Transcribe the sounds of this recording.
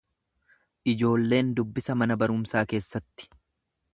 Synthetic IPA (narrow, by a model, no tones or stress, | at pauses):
ʔɪd͡ʒo̞ːlːe̞ːnd̪ʊbːɪsɐmɐnɐbɐɾʊmsaːke̞ːsːɐt̪ːɪ̥